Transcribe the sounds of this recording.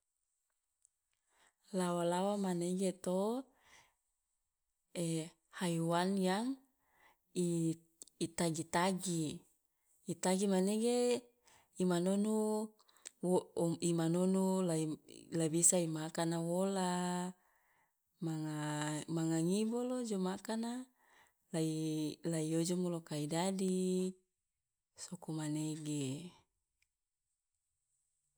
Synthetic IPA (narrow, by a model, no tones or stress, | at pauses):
lawalawamaneɡet̪o | e | hajuwanjaŋ | iː | t̪aɡit̪aɡiː | t̪aɡimaneɡe | imanonu | imanonulailabisaimakanawola | maŋamaŋaŋibolod͡ʒomakana | lailaiod͡ʒomulokaidadi | sokomaneɡe